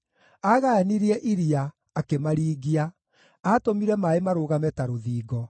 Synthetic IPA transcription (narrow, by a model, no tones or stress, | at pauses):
aɣaaniɾiɛʔiɾiaː | kemaɾiːɡia | atomiɾɛmaemaɾoːɣamɛtaɾoðiːɡɔ